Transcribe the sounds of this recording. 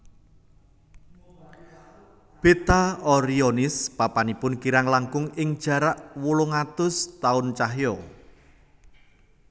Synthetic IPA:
b̥et̪aɔɾiɔnɪspapanipʊnkiɾaŋlaŋkʊŋɪŋd̥ʒ̥a̤ɾaʔwuloŋat̪ʊst̪aʊnt͡ʃaɦjɔ

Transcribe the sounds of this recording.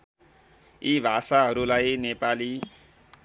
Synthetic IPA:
ibʱasaɦʌɾulajnepali

